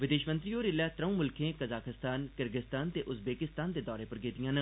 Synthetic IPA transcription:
ʋɪd̪eːʃmə̃nt̪ɾiːoːɾɪlɛːt̪ɾəũːmʊlkʰẽːkəzaːkɪst̪aːnkəɾɡɪst̪aːnt̪eːʔʊsbeːkɪst̪aːnd̪eːd̪ɔːɾeːpəɾɡeːt̪ijãːnə

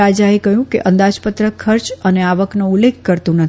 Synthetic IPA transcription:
ad͡ʒaekəɦjũkḛʔə̃nd̪ad͡ʒpət̪ɾəkʰəɾt͡ʃəneaʋəknoulːek̚ʰkəɾt̪ũnət̪

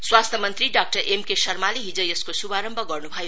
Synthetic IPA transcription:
swast̪ʰjʌmʌnt̪ɾiɖak̚ʈʌɾʔemkesʌrmaliɦid͡zʌjeskosubaɾʌmbʱʌɡʌrnubʱʌjo

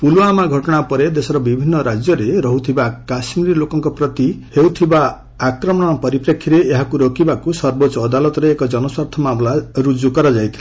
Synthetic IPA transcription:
pulamaɡʱɔʈɔɽ̃apɔɾed̪esɔɾɔbibʱinːɔɾad͡ʒjɔɾeɾɔɦut̪ʰibakasmiɾilokɔŋkɔpɾɔt̪ihewt̪ʰibaː | kɾɔmɔɽ̃ɔpɔɾipɾekʰːiɾeːɦakuɾɔkibakusɔɾbot͡ʃɔːd̪alɔt̪ɔɾeːkɔd͡ʒɔnɔswaɾt̪ʰɔmamlaɾud͡ʒukɔɾɔd͡ʒajt̪ʰile̥

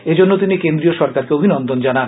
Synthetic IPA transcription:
ed͡ʑonːot̪inikend̪ɾioʃɔɾkaɾkeobʱinɔnd̪ʱond͡ʑanan

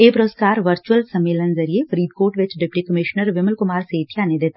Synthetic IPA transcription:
eːpɾoskaːɾʋɐɾt͡ʃuəlsɐmːeːlənzɐɾiefəɾiːd̪̚koːɾʈʋɪt͡ʃɖɪpʈikəmɪʃnəɾʋɪməlkʊmaːɾseːt̪ʰijaːnẽd̪eːt̪a

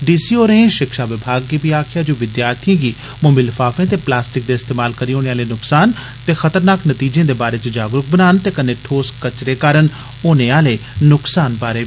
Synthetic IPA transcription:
ɖiːsiːoːɾeẽʃɪkʃaːʋɪbʱaːɡːiːpiːaːkʰɪjaːd͡ʒoːʋɪd̪jaːɾt̪ʰijãːɡiː | mʊmilfʰaːfẽːt̪̬eːplaːsʈɪk̚d̪eːɪst̪eːmaːlkəɾiːoːneːaːleːnʊksaːn | t̪eːxət̪əɾnaːknət̪iːd͡ʒẽːd̪eːbaːɾeːt͡ʃd͡ʒaːɡɾʊk̚ʰbənaːnt̪eːkənẽːʈʰoːskət͡ʃɾeːkaːɾən | oːneːaːleːnʊksaːnbaːɾeː

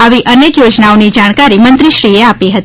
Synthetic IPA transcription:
aʋiʔənekjod͡ʒnaonid͡ʒaɽ̃kaɾimənt̪ɾiʃɾieapiɦət̪i

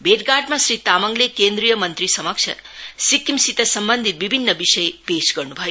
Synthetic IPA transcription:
beʈɡaɾɖmãsɾit̪aməŋɡlekend̪ɾijəmənt̪ɾisəməkʃʰə̰sikːimsit̪əsəmbənd̪ʱit̪ʋibʱinːəʋiʃəjepeʃɡəɾnũbʱɔju

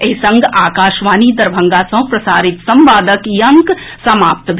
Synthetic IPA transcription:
eisɐ̃ŋɡʱaːkaːʃʋaːniːd̪ɐɾbʱɐ̃ŋɡaːsɐ̃ɦpɾɐsaːɾɪt̪sɐmʋaːd̪əkjɐŋk | sɐmaːp̚t̪bʱ

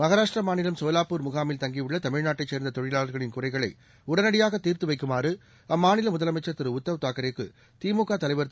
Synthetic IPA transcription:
mɐɣɐɾaːʂʈrɐmaːnɪlɐmsoːlaːpːuːɾmʊɣaːmɪlt̪ɐŋɡiʋʊɭːɐt̪ɐmɪɻnaːʈːɐt͡ʃːeːɾnd̪ɐt̪ɔɻɪlaːɭɐɾɣɐɭɪnkʊrɐɪɣɐɭɐɪ | ʊɽɐnɐɽɪjaːɣɐt̪ːiːɾt̪ɯʋɐɪkːɯmaːɾɯ | ɐmːaːnɪlɐmʊðɐlɐmɐɪt͡ʃːɐɾt̪ɪɾɯʊt̪ːɐʋt̪aːkɐɾekːɯ̰ | t̪iːmuːkaːt̪ɐlɐɪʋɐɾt̪

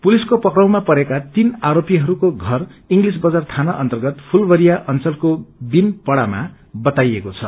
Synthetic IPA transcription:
puliskopʌkrʌw̃mapʌɾekat̪inaɾopijʌɦʌɾukoɡʱʌriŋɡlis̬bʌd͡zart̪ʰanaʔʌnt̪ʌrɡʌt̪pʰulbʌɾijaʔʌnt͡sʌlkobinpʌɽama̰ | bʌt̪ajekot͡sʰʌ

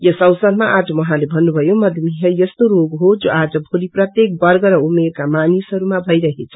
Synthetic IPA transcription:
jʌsʌwsʌd̪maʔad͡zʌmʌɦãlebʱʌnːubʱʌjomʌd̪ʱmiɦʌjʌst̪oɾoɡɦod͡zoad͡zʌbʱoliprʌt̪jek̚bʌrɡʌɾʌumeɾkamanisʌɾumabʱʌjɾʌɦet͡sʰʌ

